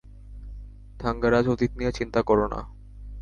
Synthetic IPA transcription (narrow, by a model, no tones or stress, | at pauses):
d̪̥ʱaŋɡaɾad͡ʑot̪it̪nijet͡ɕint̪akɔɾona̰